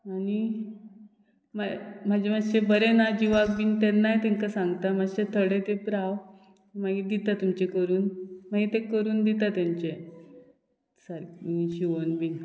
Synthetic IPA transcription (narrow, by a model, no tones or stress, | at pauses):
ani | mam̤ad͡ʑemaɕebəɾenad͡ʑiʋak̚bint̪enːajt̪ẽŋkasãŋɡt̪amad͡ʑɕet̪ʰəɽet̪epɾaw | maɡid̪it̪at̪umt͡ɕekəɾuːnmaɡit̪ekəɾuːnd̪it̪at̪jãɲt͡ɕe | saɾimiɡiɕiʋənbin